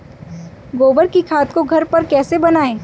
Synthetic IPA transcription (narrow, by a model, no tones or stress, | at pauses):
ɡoːbəɾkikʰaːt̪koɡʱɐɾpɐɾkɛːsebɐnaːẽː